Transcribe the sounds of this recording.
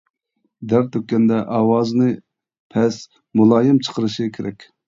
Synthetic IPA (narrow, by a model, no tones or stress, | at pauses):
d̪æɾt̪ʰøk̚ʲːɛnd̪ɛʔɑːwɑːznɨ | pʰɛs | mulˠɑːjɪmt͡ʃʰə̥qʰəɾɨʃɨkʲʰeɾɛkʲ